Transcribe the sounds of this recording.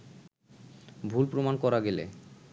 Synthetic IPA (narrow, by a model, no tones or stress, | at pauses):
bʱulpɾomankɔɾaɡelḛ